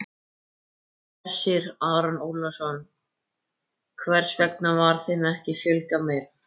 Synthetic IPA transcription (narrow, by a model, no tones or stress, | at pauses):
ɛɾ̥sɪɾaɾanulasɔn | kʰvɛr̥svɛk̚navaɾ̥θɪmɛhcɪfjʏlkamɛɾ